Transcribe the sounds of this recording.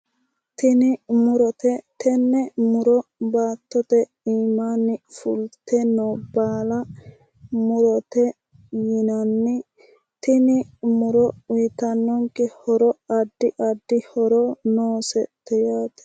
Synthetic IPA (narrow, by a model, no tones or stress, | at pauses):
t̪ɪnɪmʊɾɔt̪ɛt̪ɛnːɛmʊɾɔbaːt̪ːɔt̪ɛ | iːmanːɪfʊ̰lt̪ɛnɔbaːlɐ | mʊɾɔt̪ɛ | jɪnɐnːɪ | t̪ɪnɪmʊɾɔʊjɪt̪ɐnːɔŋkɛhɔɾɔɐd̪ːɪʔɐd̪ːɪhɔɾɔnoːsɛt̪ːɛjaːt̪ɛ̥